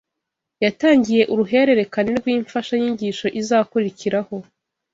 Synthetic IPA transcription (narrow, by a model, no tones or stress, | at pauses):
jataːɲɟije̞ʔuɾuɦe̞ɾe̞ɾe̞kaneɾɡwiːɱfaʃajiːɲɟiːʃo̞ʔizaːkuɾiciɾaho̞